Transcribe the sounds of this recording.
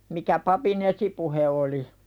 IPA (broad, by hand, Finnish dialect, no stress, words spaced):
mikæ pɑpin esipuhe oli